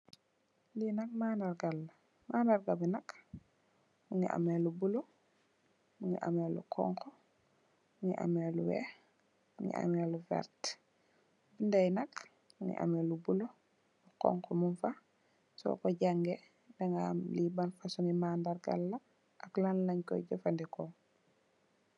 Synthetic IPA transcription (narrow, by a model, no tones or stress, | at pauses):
linak̚mandaɾɡalːa | mandaɾɡabinak | muŋḭʔa̰melubulo | muŋiʔa̰melṵkʰɔ̰ŋkʰɔ | muŋḭʔa̰meluwɛ̰ | muŋɡḭʔa̰meluvɛ̰ɾt | bindajnak | muŋḭʔa̰melubulo | lukɔ̰ŋkomunfa | sɔ̰kɔɟaŋɡe | daŋɡalibanfasuŋimandaɾɡa̰lːa | ʔaklanlaɲkɔ̰ɟafandɛkɔ